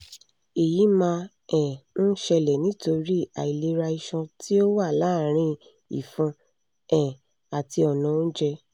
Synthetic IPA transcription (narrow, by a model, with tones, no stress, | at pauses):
e˨ji˨˦mã˧ | ɛ̃˨n̩˦ʃɛ˧lɛ˨nĩ˨˦to˧ɾi˦a˨i˨le˨˧˦ɾa˧i˧ʃɔ̃˧tʰi˦o˦wa˦˨laː˦˨ɾ̃ĩ˧ | ḭ˨fũ˧ | ɛ̃˨ | a˨ti˧ɔ˨nɔ̃˨˧˦n̩˦d͡ʒɛ˧